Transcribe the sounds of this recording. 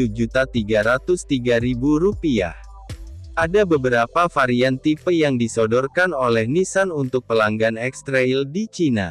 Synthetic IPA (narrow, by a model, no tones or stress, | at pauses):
ud͡ʒut̪at̪iɡaɾat̪ʊst̪iɡaɾibuɾupia̰h | ʔadabəbəɾapafaɾiant̪ipəjaŋdisodɔrkanolɛhnisanunt̪ʊk̚pəlaŋɡanɛkst̪ɾaildit͡ʃina̰